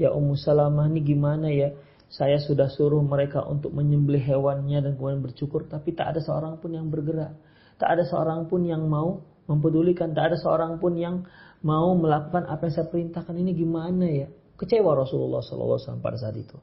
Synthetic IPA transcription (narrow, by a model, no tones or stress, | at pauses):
jaʔumusalamaniɡimanaja | sajasudahsuɾʊhməɾeka̰ʔṵnt̪ʊk̚məɲəmbəlɪɦewanɲadankəmudianbərt͡ʃukʊrt̪apit̪a̰ʔa̰dasəo̰ɾaŋpʊnjaŋbərɡəɾaʔ | t̪a̰ʔadasəo̰ɾaŋpʊnjaŋmau | məmp̬ədulikant̪aːdasəo̰ɾaŋpʊnjaŋmauməlakukanʔa̰pajaŋsajapəɾint̪ahkaniniɡimanaja | kət͡ʃewaɾɔsululːɑ̰hsɔ̰lɔ̰lːa̰sala̰mpa̰das̬aat̪it̪u